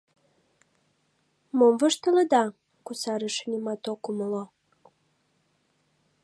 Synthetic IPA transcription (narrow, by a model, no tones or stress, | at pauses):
momvɤʃt̪ələ̆d̪ɑ | kusɑɾəʃənʲimɑt̪okumolo